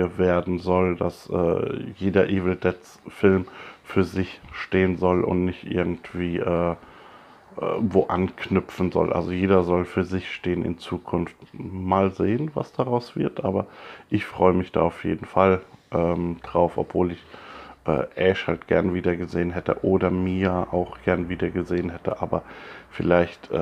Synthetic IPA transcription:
əveːɐdn̩zɔlda̰sʔɛ̰ːjeːdɐʔiːvl̩dɛtt͡s | fɪlmfyːɐzɪçʃteːənzɔlʊ̰ntnɪçtʔɪ̰ɐɡŋ̩tv̥iːʔɛː | voːʔankʰnʏp͡fn̩zɔ̰lʔa̰lzojeːdɐzɔlfyːɐzɪçʃteːənɪ̰nt͡suːkʰʊnftmaːlzeːənva̰sd̥aːʁaʊsv̥ɪɐtʔaːbɐʔɪçfʁ̥ɔʏəmɪçd̥a̰ːaʊfjḛːdn̩falʔɛːmd̥ʁaʊfʔɔ̰pv̥oːlɪçʔɛ̰ːʔɛʃhaltɡ̥ɛ̰ɐnəviːdɐɡəzeːənɦɛtə̰ʔoːdɐmiːʔa̰ʊxɡ̥ɛɐnviːdɐɡəzeːənɦɛtəʔaːbɐfɪlaɪçtʔ

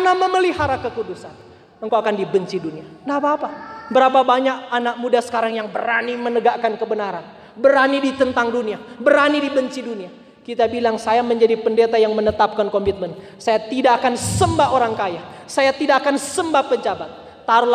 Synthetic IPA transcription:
namaməliɦaɾakəkudusan | əŋkawakandibəɲt͡ʃidunianapaːpabəɾapabaɲak̚anak̚mudasə̥kaɾaŋjaŋbə̰ɾanimənəɡaʔkankəbənaɾan | bəɾanidit̪ənt̪aŋduniabəɾanidibəɲt͡ʃidunia | kit̪abilaŋsajaməɲd͡ʒadipəndet̪ajaŋmənət̪ap̚kankɔmit̪̚mən | sajat̪idaʔakansəmbaoɾaŋkajahsajat̪idaʔakansəmbapəɲd͡ʒabat̪̚ːaɾla

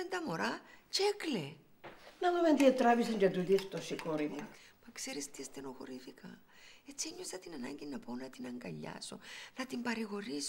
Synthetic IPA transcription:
ent̪ɐmoɾɐt͡ʃekle | nɐlumend̪iɐt̪ɾɐvisiɲd͡ʒet̪uðift̪osikoɾimumɐkseɾist̪iest̪enoxo̰ɾifikɐ | et͡sːieɲːosɐt̪inɐnɐ̰ɲɟinɐpo̞nɐt̪inɐŋɡɐʎːɐ̰so̞̰nɐt̪imbɐɾiɣo̞ɾis

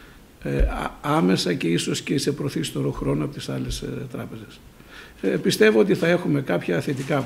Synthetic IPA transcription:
ḛɐme̞sɐce̞iso̞scese̞pɾoθist̪oɾoxɾo̞noɐpot̪i̥sɐlest̪ɾɐ̰pe̞ze̞s | pist̪e̞voo̞t̪iθɐe̞xumekɐpçɐːθet̪ikɐ

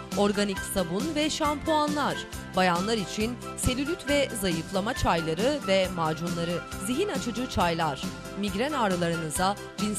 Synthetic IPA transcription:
o̞ɾɡanicsabunvɛʃampʰuanlˠaɾ̥bajanlˠaɾit͡ʃʰin | se̞lʲylʲyt̪ʰvɛzajɯflˠamat͡ʃʰajlˠaɾɯvɛmaːd͡ʒunlˠaɾɯziɦinat͡ʃʰɯd͡ʒɯt͡ʃʰajlˠaɾ̥ | miɟɾɛnaːɾɯlˠaɾɯnɯza | d͡ʒin

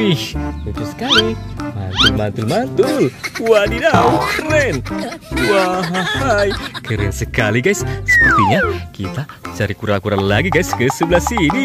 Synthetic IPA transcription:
ihnut̪ʊsə̥kalimant̪ulmant̪ulmant̪ʊlwadidakəɾɛnwaɦahajkəɾənsəkaliɡajssə̥pərt̪iɲakit̪a | t͡ʃaɾikuɾakuɾanlaɡiɡajskəsəblasidi

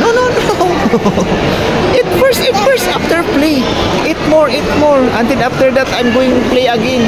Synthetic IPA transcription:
nononoo | ʔɪt̪̚fɛɹsɪt̪fɛɹst̪ʔaft̪ɛɹplej | ʔɪt̪̚mɔɹʔɪt̪̚mɔɹʔɐ̃nd̪ɛnaft̪ɛɹd̪at̪ajmɡoːwɪ̃ŋt̪ʊplejɐɡɛn

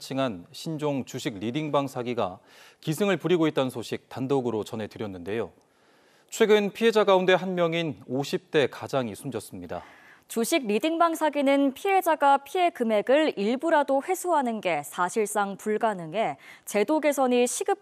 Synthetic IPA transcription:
t͡ɕʰiŋanɕʰind͡ʑoŋt͡ɕuɕʰiɡɾidiŋbaŋsʰaɡiɡa̰ | kisʰɯŋɯɭpuɾiɡoit̚t͈ansʰoɕʰik̚tandoɡɯɾot͡ɕʌnɦe̞tɯɾjʌnːɯnde̞jo | t͡ɕʰwe̞ɡɯnpʰiɦe̞d͡ʑaɡaunde̞ɦanmjʌŋinoɕʰip̚t͈e̞kad͡ʑaŋisʰumd͡ʑʌs͈ɯmɲida̰ | t͡ɕuɕʰiɡ̚ɾidiŋbaŋsʰaɡinɯnpʰiɦe̞d͡ʑaɡapʰiɦe̞kɯme̞ɡɯɭiɭbuɾadoɸwe̞sʰoɦanɯnɡe̞sʰaɕʰiɭs͈aŋpuɭɡanɯŋe̞t͡ɕe̞doɡe̞sʰʌɲiɕʰiɡɯp̚

